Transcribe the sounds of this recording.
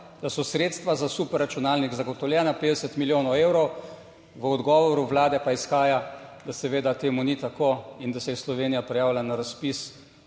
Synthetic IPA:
d̪̥asɔsɾeːt̪st̪ʋazasupɛɾːat͡ʃunaːlniɡzaɡɔt̪ɔwljɛːnapeːd̪ɛsət̪miljoːnɔweːwɾɔw | ʋəɔd̪ɡɔːʋɔɾuʋlaːd̪ɛpaisxaːjad̪asɛʋeːd̪at̪eːmunit̪akoind̪asɛjɛslɔʋeːnijapɾɛjaːwlanaɾaspis

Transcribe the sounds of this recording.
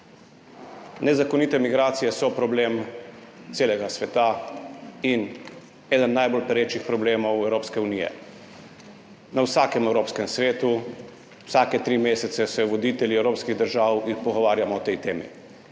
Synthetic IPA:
nɛzakɔnit̪ɛmiɡɾaːt̪sijɛsɔpɾɔbleːm | t̪seːlɛɡasʋɛt̪a | in | ɛːd̪ənːajbolpɛɾet͡ʃixpɾɔbleːmɔwɛwɾoːpskɛunijɛ̰ | nawsaːkɛmɛwɾoːpskɛmsʋeːt̪u | wsakɛt̪ɾimeːsɛt̪sɛsɛjɔʋɔd̪iːt̪ɛljiɛwɾoːpskiɣd̪əɾʒaːwjixpɔɡɔʋaːɾjamɔːt̪ɛjt̪eːmḭ

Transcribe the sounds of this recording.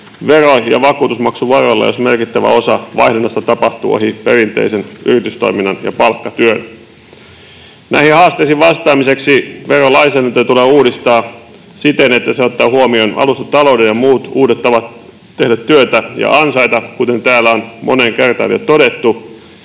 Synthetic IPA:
ʋerojɑ̰ʋɑkuːt̪usmɑksuʋɑrolːɑ̰josmerkit̪ːæʋæ̰o̞sɑʋɑ̰ihdenːɑst̪ɑt̪ɑpɑht̪ṵo̰hiperint̪ḛisenyrit̪yst̪o̰iminːɑnjɑ̰pɑlkːɑt̪yøn | nʔæihihɑːst̪eisiʋʋɑst̪ɑːmise̞ksiʋerolɑisæːnænt̪øt̪uleːuːdist̪ɑː | sit̪enet̪ːæseot̪ːɑːhuomionɑ̰lust̪ɑt̪ɑlowdenjɑmuːt̪uːdet̪ːɑʋɑt̪ | t̪ehdæt̪tyøt̪æjɑ̰ʔɑnsɑjt̪ɑkut̪e̞nt̪æːlːæonmʔo̰neŋkert̪ɑ̰ːnjo̰t̪odet̪ːu

